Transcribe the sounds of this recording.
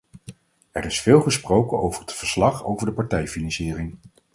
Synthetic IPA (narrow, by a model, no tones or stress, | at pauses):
ɛ̰rɪsfɪːlˠχəsprowkənowvəɹətfəɹslɑχo̰wvəɹdəpɑɹtɛjfinɑnsɪːrɪŋ